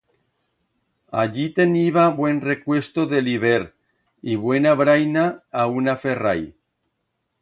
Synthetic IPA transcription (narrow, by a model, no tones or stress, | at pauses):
a̰ʎit̪eniβaβwe̞nrekwe̞st̪oðeliβeɾ | iβwe̞naβɾajnaːunaferaj